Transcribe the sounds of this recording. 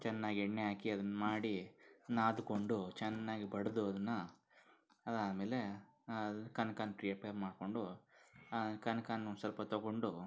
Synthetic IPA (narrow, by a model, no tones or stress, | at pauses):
t͡ʃɛnːaːɡiɛɳːeɦaːkiɐd̪ɐnːɐmaːɽinaːd̪uko̞ɳɖut͡ʃɛnːaːɡibɐɽɐd̪uɐd̪ɐnːɐ | ɐd̪aːmeːle̞d̪ɐnːkɐnɐkaːnpɾiɐpeɾmaːɖko̞ɳɖuɐnkɐnkaːnːusɐlpɐt̪ɐɡoɳɖu